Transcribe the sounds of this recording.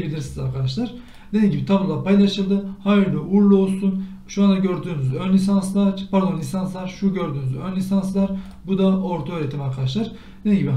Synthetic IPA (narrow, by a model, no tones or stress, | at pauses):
dbilʲiɾsiniza̰ɾkʰad̪aʃlˠaɾ | d̪e̞d̪iːmɟibit̪ʰabulˠapajlˠaʃɯld̪ɯhajiɾd̪ɛuɾlˠuo̞lˠsun | ʃuand̪aɟø̞ɾd̪yːnyzønlʲisanslˠapʰaɾd̪o̞nlʲisanslˠaɾʃuɟø̞ɾd̪yːnyzønlʲisanslˠaɾ | bud̪aʔo̞ɾt̪ʰaøːɾet̪ʰimaɾkʰad̪aʃ̬lˠaɾ | d̪einɟibi